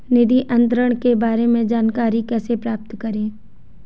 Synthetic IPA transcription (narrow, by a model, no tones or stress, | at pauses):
nɪd̪iʔɐ̃nt̪ɾəɽ̃kebaːɾemẽd͡ʒaːnkaːɾikɛːsepɾaːp̚t̪kɐɾẽː